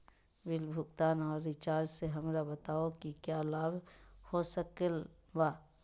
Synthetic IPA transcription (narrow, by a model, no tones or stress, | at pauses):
bɪlbʱʊɡt̪aːnɔːɾːɪt͡ʃaːɾd͡ʒseɦɐmɾabət̪aːokikjalaːbhosəkəl | baː